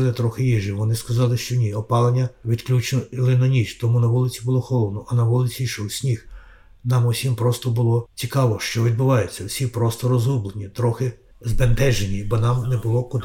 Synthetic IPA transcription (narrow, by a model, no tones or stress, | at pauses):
lˠɪt̪ɾɔxɪjiʒiʋɔnɪskɐzɑlˠɪʃt͡ʃɔnʲiɔpɑlˠenʲːɐʋʲid̪klʲut͡ʃnɔlˠɪnɔnʲit͡ʃt̪ɔmunɐʋulˠɪt͡sʲibʊlˠɔxɔlˠɔd̪nɔʔɐnɐʋulˠɪt͡sʲiʃɔwsʲnʲix | nɑmɔwsʲimpɾɔst̪ɔbʊlˠɔt͡sʲikɑʋɔʃt͡ʃɔʋʲid̪̚bʊʋɑjet͡sʲːɐwsʲipɾɔst̪ɔɾɔzublˠenʲit̪ɾɔxɪ | zbent̪ɛʒenʲibɔnɑmnɛbʊlˠɔkʊd̪